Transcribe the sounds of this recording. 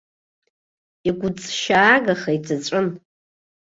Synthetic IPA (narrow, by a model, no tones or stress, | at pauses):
iɡʷʊt͡sʼʃaːɡaχaid͡zʼat͡ɕʷʼʊn